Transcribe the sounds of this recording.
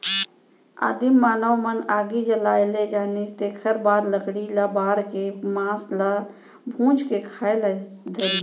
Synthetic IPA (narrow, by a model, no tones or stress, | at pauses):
a̰ːd̪imːaːnəwmənaːɡid͡ʒəlaːjled͡ʒaːnist̪eːkʰəɾbaːd̪ləkɽilabaːɾkemãːsla | bʱũːd͡ʒkekʰaːeld̪ʱəɾi